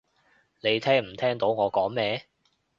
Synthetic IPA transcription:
ne˨˧jt̪ʰɛː˥ŋm̩˨˩t̪ʰɛː˥ŋt̪o˨˥wŋɔː˨˧kɔː˨˥ŋmɛː˥

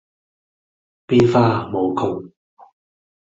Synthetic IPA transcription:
piː˥nfaː˥mo˨˧wkʰʊ˨˩w

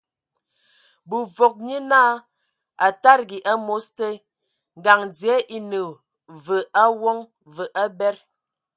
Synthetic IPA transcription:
bu˨vo˨k̚ɲi˦naː˦˨ | a˨ta˦ɾɡi˨ʔa˦mo˨˦ste˦ | ŋ˨ɡa˨ŋd͡zjɛ˨˦ʔi˨nə˨ | və˨a˦wɔ˦ŋ | və˨ʔa˦bɛ˦ɾ

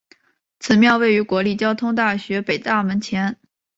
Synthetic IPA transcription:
t͡sʰɹ̩˨˩mjɑ˥˧ʊwe˥˩ɪy˧˥kwɔ˧˥li˥˩t͡ɕjɑ˥ʊt̪ʰʊ˥ŋt̪a˥˩ɕɥɛ˧˥pe˨˩ɪt̪a˥˩mə˧˥nt͡ɕʰjɛ˧˥n

